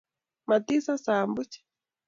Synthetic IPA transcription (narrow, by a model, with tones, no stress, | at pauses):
ma˨tisa˦sambu˦t͡ʃɛ̥